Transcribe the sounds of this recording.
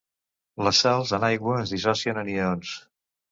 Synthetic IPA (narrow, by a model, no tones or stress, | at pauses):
ləsːɛlˠzənajɣwəːzðisɔsiənənions